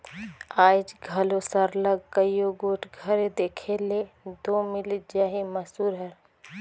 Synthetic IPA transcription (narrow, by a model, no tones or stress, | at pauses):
aːd͡ʒɡʱɐlosəɾləɡkəjjoɡoːʈʰɡʱɐɾed̪eːkʰeled̪oːmɪlid͡ʒaːɦimɐsuːɾɦɛɾ